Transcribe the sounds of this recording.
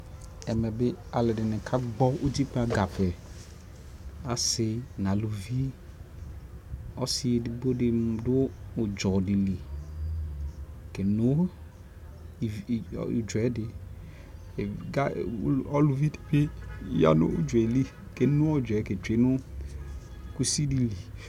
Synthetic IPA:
ɛ˨mɛ˨bɪ˦a˨lɪ˨dɪ˨nɪ̃˨kʰa˦ɡ͡bɔ˦ʔu˦d͡ʒi˦k͡pa˨ɡa˨pɛ˨ | a˨sɪ˨nã˨lu˨vi˦ | ɔ˦sɪ˦e˨dɪ˨bo˦dɪ˨dʊ˦ʊ˨d͡ʒɔ˨dɪ˨li˨ | kɛ˨nʊ˦˨ | d͡ʒɛ˨˦dɪ˨ | ɡa˦ɔ˦lu˨vi˦dɪ̥˨pɪ˦ja̰˦nʊ̰˦ʊ̰˦d͡ʒɛ˨li˦ | ke˨nʊ˦ɔ˦˨d͡ʒɛ˨˦ke˨t͡ʃe˨˦nʊ˦ | ku˦si˦di˦li˨

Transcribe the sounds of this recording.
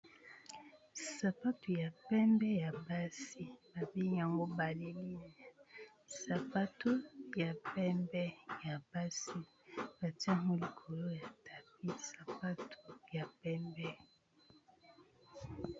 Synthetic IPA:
sa˨pa˦to˨ja˨pɛ˦mbɛ˦ja˨ba˦si˦ba˨bi˦ŋ˨ja˨ŋɡo˦ba˨le˦li˦nɛ˨ | sa˨pa˦to˦ja˨pɛ˦mbɛ˦ja˨ba˦si˦ | ba˨ti˦a˦ŋo˦li˨kʰo˨lo˦ja˨tʰa˨pi˦sa˨pa˦tʰo˨ja˨pɛ˦mbɛ˦

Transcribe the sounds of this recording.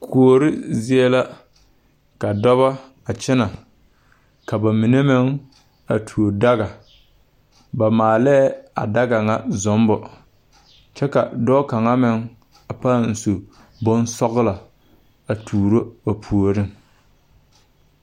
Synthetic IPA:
kʰu˨o˨ɾɪ˦zɪ˦ɛ˦la˦ | ka˨dɔ˦βa˦ | a˨t͡ʃɪ˦na˨ | ka˨ba˨mɪ˨ne˦mɪ˦ŋ | a̰˨tʰu˨o˨da˦ɣa˨ | ba˨maː˨lɛː˦a̰˨da˦ɡa˨ŋa˦zɔ˦mbɔ˨ | t͡ʃɛ˦ka̰˨dɔː˦ka˨ŋa˦mɪ˨ŋ | a˨pa˦˨n̩˨so˨ | bʊ˦nsɔ˦ɣla˨ | a˨tʰuː˨ɾo˦a˨pʰu˨o˨ɾɪ˦ŋ

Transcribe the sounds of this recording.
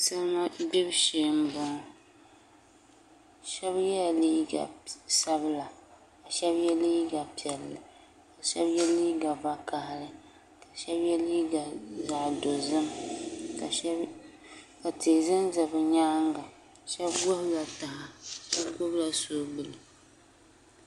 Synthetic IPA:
sa˦lŋa˦bi˦bʃeː˨m˦bʊ˨ŋ˦ | ʃɛ˦bjɛ˦˨liː˦ɡa̰˨sa˦bla˨ | ka˨ʃɛ˦bjɛ˦liː˦ɡa˨pi˨ɛ˨lːɨ˨ | ka˨ʃɛ˦bjɛ˦liː˦ɡa˨va˦ka˨hɪ˨ɾɨ˦ | ka˨ʃɛ˦bjɛ˦liː˦ɡa˨za˨do˨zɨ˦mka˨˦ | ka˨te˨zɨ˦nzɨ˨bɨ˨ɲaː˦ŋɡa˨ | ʃɛ˦bɡo˦hla˨ta˨ɦa˨ʃɛ˦bɡo˦bla˨soː˦bɨ˨lɨ˨

